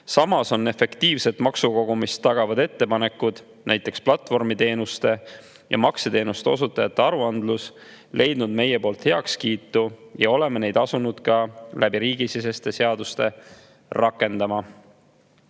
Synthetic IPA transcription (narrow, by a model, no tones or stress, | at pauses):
sɑmɑso̞nːe̞fe̞kt̪iːvse̞t̪ˑmɑksuko̞ɡ̥umist̪ːɑɡ̥ɑvɑd̪e̞t̪ːe̞pɑne̞kːud̪̥ | næjt̪ˑːe̞ksplɑt̪ːˑvo̞rmit̪e̞ːnust̪e̞ | jɑ̰mɑkset̪e̞ːnust̪eo̞sut̪ːˑɑjɑt̪ːˑe̞ɑɾuɑnd̪lus | lʔe̞jd̪̥nud̪me̞je̞poːlt̪he̞ɑkskiːt̪ːˑujɑo̞le̞mene̞jd̪̥ɑsunud̪̥kɑlʔæbiɾiːɡ̥isise̞st̪e̞se̞ɑd̪ust̪e̞ | rɑkːˑe̞nd̪̥ɑmɑ